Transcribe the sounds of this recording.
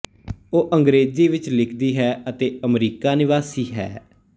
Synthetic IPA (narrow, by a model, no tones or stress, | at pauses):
oːʔəŋɡɾeːziːʋɪt͡ʃlɪkʰd̪iːɦɛːət̪eːəmɾiːkaːnɪʋaːsiːɦɛ̰ː